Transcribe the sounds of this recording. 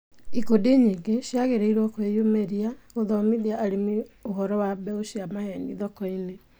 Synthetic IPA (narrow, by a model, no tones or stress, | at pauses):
ikodeɲiŋɡeʃjaɣeɾeiɾwɔkoejomeɾiaɣoðɔmiðiaʔaɾemioɦɔɾɔwabɛoʃiamahɛniðɔkɔine